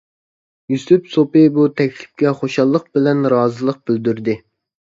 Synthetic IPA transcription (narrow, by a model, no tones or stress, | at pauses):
jusypsopɪbut̪ʰɛkʲlɪ̥p̚kʲɛχoʃɑlˠːəq̚b̥ɪlɛnɾɑːzɨlˠəq̚b̥ɪld̪yɾd̪ɪ